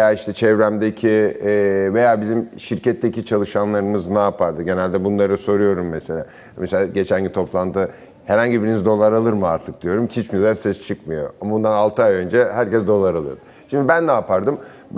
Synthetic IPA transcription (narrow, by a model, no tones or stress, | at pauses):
ejaːiʃt̪ʰɛt͡ʃʰɛvɾæmd̪ecʰi | ve̞jaːbizimʃiɾcɛt̪ʰːecit͡ʃʰalˠɯʃanlˠaɾɯmɯznaːpʰaɾd̪ɯɟe̞nælʲd̪ɛbunlˠaɾɯso̞ɾujo̞ɾumːɛselʲa̰ | meseaːɟe̞t͡ʃʰænɟit̪ʰo̞plˠant̪ʰɯ | hɛɾhaɲɟibiɾinizd̪o̞lˠaɾalˠɯɾmɯaɾt̪ʰɯk̚d̪̥ijo̞ɾumt͡ʃʰit͡ʃmid̪ɛsɛst͡ʃʰɯkmɯjo̞̰ambund̪analˠt̪ʰɯajø̞nd͡ʒɛhæɾcɛsd̪o̞lˠaɾalˠɯ̰ɾɾd̪ | ʃimd̪ibænːaːpʰaɾd̪ɯm